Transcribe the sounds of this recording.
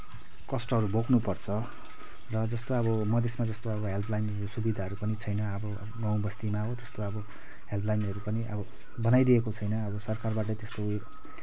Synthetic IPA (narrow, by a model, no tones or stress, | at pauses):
kʌsʈʌɦʌɾubʱoknupʌrt͡sʰʌ | rʌd͡zʌst̪oʌbʌmʌd̪ʱesmad͡zʌst̪oʌbʌɦelpʰlajnʌɾusubid̪ʱaɦʌɾupʌnit͡sʰʌjnʌʌbʌ | ɡaw̃bʌst̪imaɦot̪ʌst̪oʌbʌ | ɦelpʰlajnɦʌɾupʌniʔʌbʌ | bʌnajd̪iekot͡sʰʌjnʌːbʌsʌrkarbaʈ̬ʌt̪est̪o